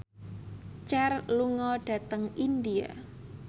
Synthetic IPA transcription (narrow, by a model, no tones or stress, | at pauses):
t͡ʃɛrluŋɔɖ̥ä̤t̪əŋind̪ia̰